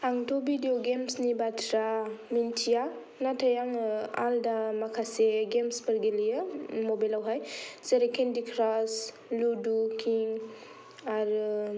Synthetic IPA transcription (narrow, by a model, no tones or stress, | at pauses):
aŋtʰobidioɡemsnibatʰɾamintʰija | natʰajaŋa̰ldamakʰaseɡemspəɾɡelijəmobajlawɦajseɾekʰendikʰɾas | ludukiŋ | aɾ